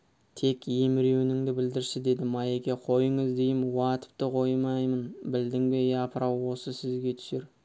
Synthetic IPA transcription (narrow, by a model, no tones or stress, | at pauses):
t̪ʰe̞kʲjemɪɾewɪnɪŋd̪ɪbɪld̪ɪɾʃɪd̪e̞d̪ɪmɑjekʲe̞qʰo̞jəɴəzd̪e̞jɪmwɑt̪ə̥p̚t̪əqʰo̞jmɑjmənbɪld̪ɪŋbe̞jpʰəɾɑwwo̞səsɪzɡʲe̞t̪ʰʏ̥se̞ɾ